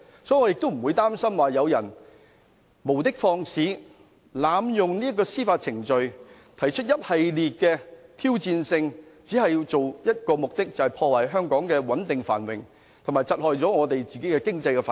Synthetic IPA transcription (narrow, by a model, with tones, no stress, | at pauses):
sɔː˨˥jŋɔː˨˧jɪ˨k̚t̪o˥m̩˨˩wuː˨˧jt̪aː˥msɐ˥mwaː˨˩jɐ˨˧wjɐ˨˩n | mo˨˩wt̪ɪ˥k̚fɔː˧ŋsiː˨˥ | laː˨˧mjʊ˨ŋniː˥ɐ˥k̬ːɔː˧siː˥faː˧t̚t͡sʰɪ˨˩ŋt͡ʃɵ˨ɥ | t̪ʰɐ˨˩jt͡ʃʰɵ˥t̚jɐ˥t̚hɐ˨jliː˨t̚kɛː˧t̪ʰiː˥wt͡siː˧nsɪ˧ŋt͡siː˨˥hɐ˨jt͡so˨wjɐ˥t̚kɔː˧mʊ˨k̚t̪ɪ˥k̚t͡sɐ˨˩hɐ˨˩jpʰɔː˧waː˨˩jɦœː˥ŋkɔː˨˥ŋkɛː˧wɐ˨˥nt̪ɪ˨ŋfa̰ː˨˩nwɪ̰˨ŋ | t̪ʰʊ˨˩maː˨˩jt͡sɐ˨t̚hɔː˨jt͡sɔː˨˥ŋɔː˨˧t̪e˨jt͡siː˨ke˨˥jkɛː˧kɪ˥ŋt͡sɐ˧jkɛ˧faː˨